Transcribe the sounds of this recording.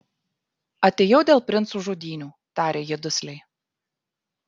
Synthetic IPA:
ɐt̪ʲeːjɛʊd̪ʲeːlˠpʲɾʲɪnt̪suːʒoːd̪ʲiːnʲuː | t̪ɑːɾʲeːjɛd̪ʊsʲlʲɛɪ

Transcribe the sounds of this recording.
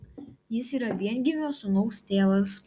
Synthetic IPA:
jɪsiːɾɐʋʲiɛnʲɡʲɪmʲoːsʊnɔʊst̪ʲeːʋɐs

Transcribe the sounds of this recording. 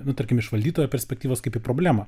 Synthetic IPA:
nʊt̪ɐɾʲkʲɪmɪʃʋɐlʲd̪ʲiːt̪oːjoːpʲɛɾʲsʲpʲɛk̚t̪ʲiːʋoːskɐɪpipɾoːbʲlʲæːmɐ

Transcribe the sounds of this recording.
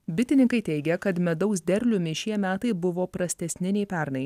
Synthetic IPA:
bʲɪt̪ʲɪnʲɪŋkɐɪt̪ʲɛɪɡʲɛkɐt̪mʲɛd̪ɐʊsd̪ʲɛɾʲlʲʊmʲɪʃʲiɛmʲæːt̪ɐɪbʊʋoːpɾɐsʲt̪ʲɛsʲnʲɪnʲɛɪpʲæɾnɐɪ

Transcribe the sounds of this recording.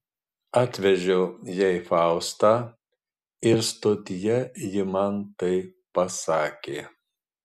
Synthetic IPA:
ɑːt̪ʲʋʲɛʒʲɛʊjɛɪfɑˑʊst̪ɑː | ɪɾst̪oːt̪ʲɪjɛjɪmɐnt̪ɐɪpɐsɑːkʲeː

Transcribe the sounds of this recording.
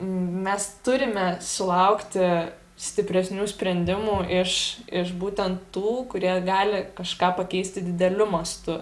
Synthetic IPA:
mʲɛst̪ʊɾʲɪmʲɛsʊlˠɐʊkt̪ʲɪ | sʲt̪ʲɪpʲɾʲɛsʲnʲuːsʲpʲɾʲɛnʲd̪ʲɪmuːʔɪʃɪʃbuːt̪ʲɛnt̪tuːkʊɾʲiɛɡɑːlʲɪkɐʃkɑːpɐkʲɛɪsʲt̪ʲɪd̪ʲɪd̪ʲɛlʲʊmɐst̪ʊ

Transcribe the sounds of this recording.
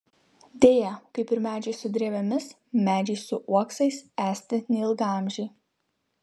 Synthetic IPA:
d̪ʲeːjɛkɐɪpɪɾmʲæːd͡ʒʲɛɪsʊd̪ʲɾʲeːʋʲɛmʲɪs | mʲæːd͡ʒʲɛɪsʊʔuɔksɐɪsæːsʲt̪ʲɪnʲɛlˠɡɑˑmʲʒʲɛː

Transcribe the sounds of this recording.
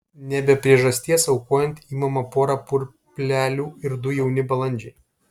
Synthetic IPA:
nʲɛbʲɛpʲɾʲiɛʒɐsʲt̪ʲiɛsɐʊkoːjɛnʲt̪iːmɐmɐpoːɾɐpʊɾʲ | pʲlʲæːlʲuːɪɾd̪ʊjɛʊnʲɪbɐlˠɐnʲd͡ʒʲɛɪ

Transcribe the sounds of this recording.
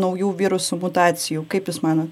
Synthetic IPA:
nɐʊjuːʋʲiːɾʊsʊmʊt̪ɑːt̪t͡s̪ʲɪjuːkɐɪpjɪsmɑːnot̪

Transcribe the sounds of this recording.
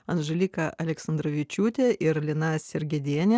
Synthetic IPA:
ɐnʒɐlʲiːkɐʔɐlʲɛksɐnd̪ɾoʋʲɪt͡ʃʲuːt̪ʲeʔɪɾlʲɪnɑsʲɪɾʲɡʲɛd̪ʲiɛnʲɛ

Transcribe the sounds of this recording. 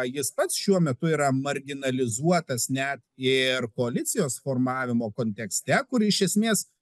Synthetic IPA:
jɪspɐt̪sʃʲuɔmʲɛt̪ʊiːɾɐmɐɾʲɡʲɪnɐlʲɪzuɔt̪ɐsnʲɛt̪ɪɾkoːɐlʲɪtsʲɪjoːsfoːɾmɑːʋʲɪmoːkoːnʲt̪ʲɛksʲt̪ʲɛkʊɾɪʃʲɛsʲmʲeːs

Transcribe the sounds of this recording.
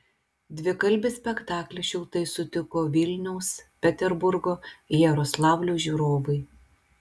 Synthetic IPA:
d̪ʲʋʲɪkɐlʲbʲɪsʲpʲɛkt̪ɑːklʲɛʃʲʊlˠt̪ɐɪsʊt̪ʲɪkoːʋʲɪlʲnʲɛʊspʲɛt̪ʲɛɾbʊɾɡoːjɛɾɔslˠɑːʊlʲoːʒʲuːɾoːʋɐɪ

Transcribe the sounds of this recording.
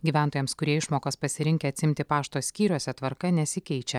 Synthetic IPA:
ɡʲiːʋʲænt̪oːjɛmskʊɾʲiɛɪʃmoːkɐspɐsʲɪɾʲɪŋʲkʲɛɐt̪ʲsʲɪmʲt̪ʲɪpɑːʃt̪oːsʲkʲiːɾʲoːsʲɛt̪ʋɐɾkɐnʲɛsʲɪkʲɛɪt͡ʃʲɛ

